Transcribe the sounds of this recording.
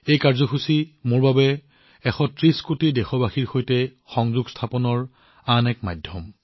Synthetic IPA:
ejkaɹzɔxusimoɹbabɛ | ɛxɔtɹiskotidɛxɔbaxiɹxojtɛ | xɔŋzuɡstʰapɔnɔɹ | anɛkma̰jdʱjɔm

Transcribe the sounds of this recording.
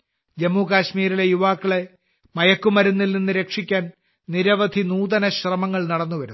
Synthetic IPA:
d͡ʑemːuːkaːɕmiːɾile̞juʋaːkːiɭe | mɐjɐkːumɐɾunːilninːɨɾe̞kʂikʲːaːn | niɾɐʋɐd̪ʱinuːd̪ðɐnɐɕrɐmɐŋːɐɭnɐɽɐnːuʋɐɾu

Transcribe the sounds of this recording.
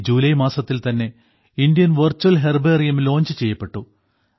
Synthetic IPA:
d͡ʑuːlɐjmaːsɐt̪ːilt̪ɐnːe̞ | ind̪ijɐnʋɐrt͡ɕːɐlɦerberijɐmlo̞ːɲd͡ʑɨt͡ɕe̞jːɐpːe̞ʈːu

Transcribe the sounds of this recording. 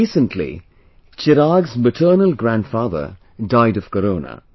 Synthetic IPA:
iːsə̃nʈʰlḭ | t͡ʃɪɾaːɡzməʈʰəːnəlɡɾæ̃nɖfaːðə̰ | ɖaɪɖɔʋkəɾoːnə̰

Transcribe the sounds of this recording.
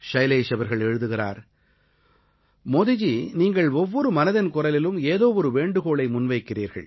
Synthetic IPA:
ʂɐɪleːʂɐʋɐɾɣɐɭɛɻɯðɯɣɪra̰ːɾ | mɔðɪd͡ʒiniːŋɡɐɭɔʋːɔɾɯmɐnɐðɪnkʊrɐlɪlɯmeːðoːʋɔɾɯʋeːɳɖɯɣoːɭɐɪmʊnʋɐɪkːɪriːɾɣɐ̰ɭ

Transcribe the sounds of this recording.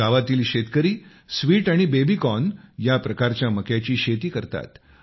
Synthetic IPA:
aʋat̪iːlɕet̪kəɾiː | sʋiːʈaɽ̃ibebikɔnjapɾəkaɾt͡ɕjaməkjat͡ɕiːɕet̪iːkəɾt̪a̰t̪

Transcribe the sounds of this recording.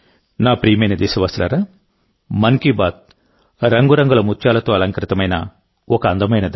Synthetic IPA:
naːpɾiːmɐjnɐd̪esɐʋɐːst̪lɐɾaː | mɐŋkibaːt̪̚ | ɾɐŋɡuɾɐŋɡulɐmutːʃaːlɐt̪oːɐlɐŋkɾɪt̪ɐmɐjnɐ̰ | ɔkɐɐnd̪ɐmɐjnɐd̪

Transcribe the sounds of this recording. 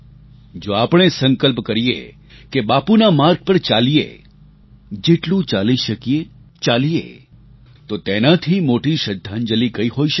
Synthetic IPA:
d͡ʒoapɳ̃esəŋkəlp̬kəɾijḛ | kebapunamaɾɡ̚pəɾt͡ʃalijḛ | d͡ʒeʈlũt͡ʃaliʃəkijet͡ʃalijḛ | t̪ot̪enat̪ʰimoʈiʃəd̪ʱːand͡ʒəlikəiɦoiʃə

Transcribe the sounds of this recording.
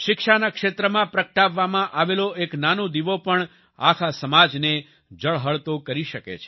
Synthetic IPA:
ʃɪkʃanakʃet̪ɾəmãpɾəkʈaʋːamãʔaʋeloʔeknanõd̪iʋopəɳ | akʰasəmad͡ʒne | d͡ʒəɭɦəɭt̪okəɾiʃəkḛt͡ʃʰe̥

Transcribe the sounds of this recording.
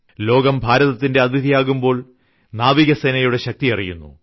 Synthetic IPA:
lo̞ːɡɐmbʱaːɾɐðɐt̪ːindeɐd̪ʱiðʱijaːɣumbo̞ːɭ | naːʋiɣɐseːnɐjuɽe̞ɕɐk̚t̪iɐrijṵnːṵ

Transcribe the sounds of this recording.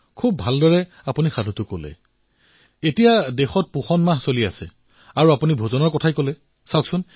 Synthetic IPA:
kʰub̚ːʱaldɔɹɛ | apunixadʱutʊkolɛ̰ | etijadexɔt̚puxɔnmaɦsolia̰sɛ̰ | aɹuapunibʱozɔnɔɹkɔtʰajkolɛ | saksʊn

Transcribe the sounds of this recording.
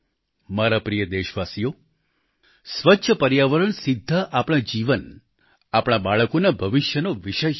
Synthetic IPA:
maɾapɾijəd̪eʃʋasijo | sʋətːʃʰəpəɾjaʋəɾəɳsɪd̪ʱːaʔapɽ̃ad͡ʒiʋən | apɽ̃abaɭəkonabʱəʋɪʃjənoʋiʃə

